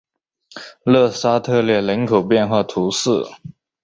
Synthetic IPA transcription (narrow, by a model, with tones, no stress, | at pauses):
lɤ˥˧sa˥t̪ʰɤ˥˧ljɛ˥˩lə˧˥nkʰo˨˩ʊpjɛ˥˧nxwa˥˩t̪ʰu˧˥sɹ̩˥˩